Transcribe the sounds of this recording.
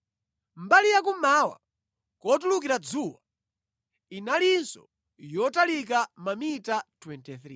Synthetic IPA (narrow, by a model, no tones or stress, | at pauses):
mbalijak̬umawa̰ | kɔtuluk̬iɾad͡zuːwa | inalinsɔ̰ | jɔtalik̬amamitatʰwɛntɛθɾḭ